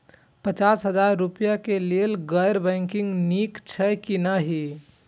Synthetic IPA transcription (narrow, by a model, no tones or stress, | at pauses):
pət͡ʃaːsɦəd͡ʒaɾːupijakeleelɡəjɾbɛ̃ŋkɪ̃ŋɡnikt͡ʃʰɛkinaɦi